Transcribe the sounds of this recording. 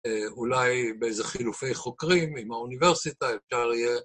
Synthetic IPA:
eulajbeejzeχilufe̞jχo̞kʁimimauniveʁsit̪aefʃaʁije

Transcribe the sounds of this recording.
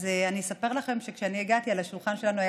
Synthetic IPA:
zeanisape̞ʁlaχe̞mʃe̞kʃeanieɡat̪ialaʃulχanʃe̞lanuaj

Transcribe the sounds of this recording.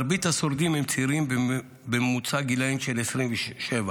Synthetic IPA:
ɾbit̪hasoɾd̪imhemt͡siɾimb | bemut͡saɡilaimʃelesʁimveʃeva

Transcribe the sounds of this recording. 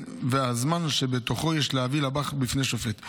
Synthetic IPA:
veazmanʃe̞bet̪o̞χo̞jɛʃleavilabaχbifneʃoflet̪

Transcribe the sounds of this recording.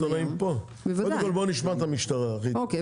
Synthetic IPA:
anaimpo | ekvodekolboniʃmat̪amiʃt̪aʁaχioke

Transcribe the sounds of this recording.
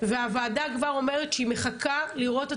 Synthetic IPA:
veavaːdakvaʁo̞me̞ʁetʃeime̞χakaliʁo̞te

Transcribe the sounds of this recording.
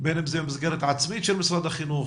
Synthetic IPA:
beːnəmzemɪzɡɛɾətat͡smiːʃɛlmɪsɾadaχinuːχ

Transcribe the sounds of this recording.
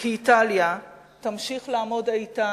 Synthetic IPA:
kiːtalja | tamʃiχlaːmo̞dajta

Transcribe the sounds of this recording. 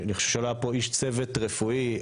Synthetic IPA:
niχoʃevʃealoapoiʃt͡sevetʁefui

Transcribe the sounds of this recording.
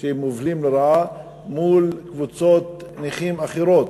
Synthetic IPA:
ʃemovlimleɾaa | mulkvut͡sot̪niχimaχeɾot̪

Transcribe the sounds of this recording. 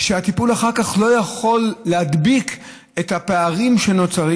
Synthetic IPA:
ʃeat̪ipulaχaʁkaχlo̞jaχo̞lːead̪bik | e̞t̪hapeaʁimʃe̞no̞t͡saʁi

